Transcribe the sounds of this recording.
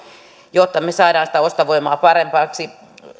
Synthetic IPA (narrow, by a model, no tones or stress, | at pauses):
jot̪ːɑmesɑːdɑːnsĭ̥t̪æost̪ɑʋoimɑːpɑrempɑːksi